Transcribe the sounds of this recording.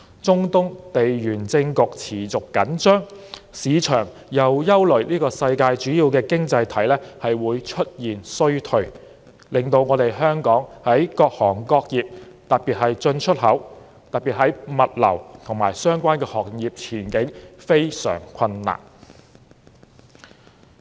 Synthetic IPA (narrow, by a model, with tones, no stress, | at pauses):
t͡sʊ˥ŋt̪ʊ˥ŋt̪e˨jjyː˨˩nt͡sɪ˧ŋkʊ˨k̚t͡sʰiː˨˩t͡sʊ˨kːɐ˨˥nt͡ʃœː˥ŋsiː˨˧t͡ʃʰœː˨˩ŋ | jɐ˨wjɐ˥wlɵ˨˩ɥliː˥kɔː˧sɐ˧jkaː˧jt͡ʃyː˨˥jiː˧wkɛː˧kɪ˥ŋt͡sɐ˧jt̪ʰɐ˨˥jlɛː˥hɐ˨jwuː˨˧jt͡ʃʰɵ˥t̚jiː˨˩nsɵ˥ɥt̪ʰɵ˨˥ɥ | lɪ˨˩ŋt̪o˧wŋɔː˨˧t̪e˨jɦœː˥ŋkɔː˨˥ŋhɐ˨˥jkɔː˧k̚hɔː˨˩ŋkɔː˧k̚jiː˨p̚t̪ɐ˨t̚piː˨˩t̚hɐ˨jt͡ʃɵ˧nt͡ʃʰɵ˥t̚ɦɐ˨˥w | t̪ɐ˨t̚piː˨t̚hɐ˨˥jmɐ˨t̚lɐ̰˨˩wt̪ʰʊ˨˩ŋmaː˨˩jsœː˥ŋkʷaː˥nkɛː˧hɔː˨k̚jiː˨p̚t͡sʰiː˨˩nkɪ˨˥ŋfe˥jsœ̰ː˨˩ŋkʰɐ˧nːa̰ː˨˩n